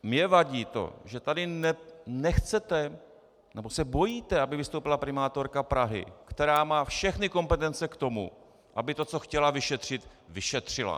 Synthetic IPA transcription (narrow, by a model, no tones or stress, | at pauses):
mɲɛvaɟiːt̪o̞̰ʒɛt̪adɪnɛnɛxt͡sɛt̪ɛ | nɛbo̞sɛbo̞jiːt̪ɛabɪvɪst̪owpɪlapɾɪmaːt̪o̞ɾkapɾaɦɪ̰kt̪ɛɾaːmaːfʃɛxnɪko̞mpɛt̪ɛnt͡sɛkt̪o̞mṵ | ʔabɪt̪o̞t͡so̞xcɛlavɪʃɛt̪r̝̥ɪt̪ | vɪʃɛt̪r̝̥ɪla̰